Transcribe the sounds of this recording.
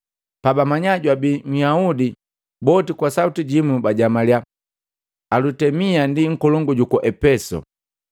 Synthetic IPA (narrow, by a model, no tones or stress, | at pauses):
pabamaɲaɟwabim̩jaudi | bɔtikwasautiɟimubaɟamalja | lutɛmiandiŋ̩kɔlɔŋɡuɟukɔʔɛpɛsɔ̰